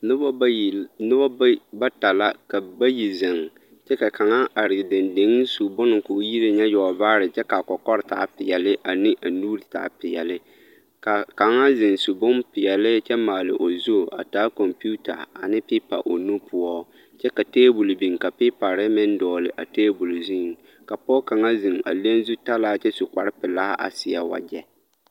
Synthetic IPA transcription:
nɨ˦bɔ˦˨nɨ˦bɔ˦ba˦ta˨la˦ka˨ba˦ji˨zɪ˨ŋ | t͡ʃɛ˦ka˨ka˨ŋa˦ʔa˨ɾɪ˨dɪ˨ndɪ˨˦ŋ˦su˨bʊ˦nɪ˨ŋ˨koː˨˦ji˦ɾɪ˨ɲɛ˦jɔ˨baː˦ɾɪ˨t͡ʃɛ˦ka˨kɔ˨kɔ˦ɾɪ˨ta˦pɪ˨jɛ˨lɪ˦ʔa˨nɪ˦ʔa˨nuː˦ɾta̰˨˦pɪ˨jɛ˨lɪ˦ | ka˨ka˨ŋa˦zɪ˨ŋsu˨bʊ˦npɪ˨jɛ˨lɪ˦t͡ʃɛ˦maː˨lɪ̰˨ʔo˨zu˦˨a̰˨taː˨˦kɔ˨mpu˦ta̰˨a˨nɪ˦pi˦pa̰˨ʔo˨nu˦pʰʊ˦ɔ˦ | t͡ʃɛ˦ka˨teː˦bu˨lbi˨ŋka˨pi˦pa˨ɾɪ˦mɪ˦ndɔː˨lɪ˨ʔa˨teː˦bu˨lzi˦˨ŋ | ka˨pɔ˦ka˨ŋa˦zɪ˨ŋa̰˨le˦nzu˦ta˦laː˦t͡ʃɛ˦su˨kʷa˨ɾɪ˦pɪ˨la˦ʔa̰˨sɪ˨a˨wa̰˨d͡ʒɛ˦

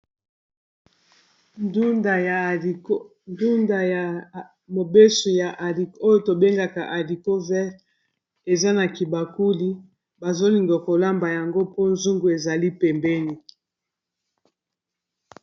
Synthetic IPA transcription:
da˨j | ndu˦nda˨ja˨ | mo˨be˦su˨ja˨ʔli˨ko˦jo˨to˨be˦ŋɡa˨ka˨ʔa˨li˨ko˦vɛ˦ʁ | e˨za˦na˨ki˨ba˨ku˦li˦ | ba˨zo˦li˨ŋɡa˨ko˨la˦mba˨ja˨ŋɡo˦po˦nzu˦ŋɡu˨e˨za˨li˦pɛ˨mbɛ˦ni˨

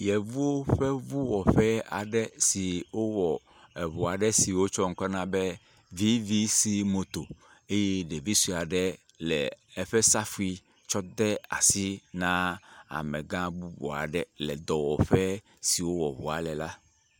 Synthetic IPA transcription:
jɛ˨vu˦o˦ɸɛ˦vu˦wɔ˨ɸɛ˦a̰˨ɖɛ˦si˨wo˦wɔ˨ | ɛ˨βu˨a˨ɖɛ˦si˨wo˦t͡ʃɔ˦ŋ̩˦kɔ˦nã˦bɛ˦ | vi˦vi˦si˦mo˨t̪o˨ | e˦jɛ˦ɖe˨vi˦su˨a˨ɖɛ˦ | lɛ̰˨ɛ˦ɸɛ˦sa˦fu˨˦i˦ | t͡ʃɔ˦d̪ɛ˦a̰˨si˦nã˦a̰˨mɛ˨ɡã˦bu˦bɔ̰˨a̰˨ɖɛ˦˨lɛ˨d̪ɔ˨wɔ˨ɸɛ˦ | si˨wo˦wɔ˨βṵ˨a̰˨lɛ˨la˦

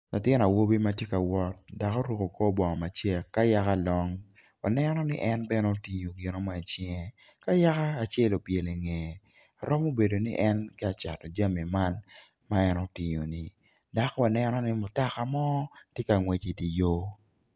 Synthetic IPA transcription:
la˨tɪ˦n˨a˨wo˦bi˦ma˦tje˦ka˨wɔ˦t̚da˨kɔ˦ɾu˦˨ko˨kɔ˦bɔ˨ŋɔ˨ma˨t͡ʃɛ˦kːa˦ja˦ka˦lɔ˦ŋ | wa˨nɛ˦nɔ˦nɪ˦ʔɛ˦nbɛ˦no˦ti˨ɲo˨ɡɪ˨no˦mɔ˦ɛ˨t͡ʃɛ˦ŋ˦ | ka˦ja˦kaː˦˨t͡ʃe˦lo˨pje˨le˨ŋe˨ | a˨ɾɔ˦mo˦be˨do˨nɪ˦ʔɛ˦nkɪ˦a˨t͡ʃa̰˨tɔ˨d͡ʒa˦mi˨ma˦n | ma˦ɛ˦no˦tɪ˨ɲo˨nɪ˨ | da˨kwa˨nɛ˦nɔ˦nɪ˦mʊ˨ta˦ka˨mɔ˦tje˦ka˨ŋwe˨t͡ʃi˨ti˨jo˦

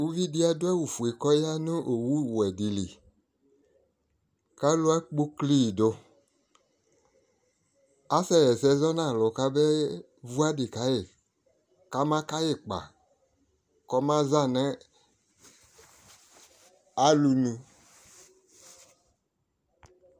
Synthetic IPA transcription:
wu˦vi˦di˦a˦do˦ɛ˦wu˨fu˨e˨kɔ˦ja˦nũ˦ʔo˨wu˦˨wɛ˨di˨lḭ˨ | ka˦lo˦a˦k͡pu˦kli˦˨do˨ | a˦sɛ˦jɛ˨sɛ˦zɔ˦nã˦˨lɔ˨ka˦bɛ˦ | vu˦a˦dɪ˨ka˦je˨ | ka˦mã˦ka˦je˨k͡pa̰˨ | kɔ˦mã˦za˦˨nɛ˦ | a˦lu˨nũ˨

